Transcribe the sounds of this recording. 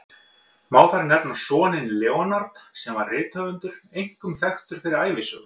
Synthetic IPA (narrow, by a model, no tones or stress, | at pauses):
maːwθaɾnɛpnasɔːnɪnlɛːwɔnaɾt̪sɛmvaɾrɪːt̪hœvʏnt̪ʏɾ̥ejŋ̥kʏmθɛxt̪ʏɾ̥fɪɾɪɾaːjvɪsʏ̰ɣ